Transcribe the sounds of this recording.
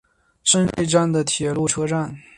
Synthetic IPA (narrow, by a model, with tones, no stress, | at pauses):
ʂə˥nwḛ˥ɪʈ͡ʂa˥˩nd̪ə˩t̪ʰjɛ˨˩lu˥˩ʈ͡ʂʰɤ˥ʈ͡ʂa˥˩n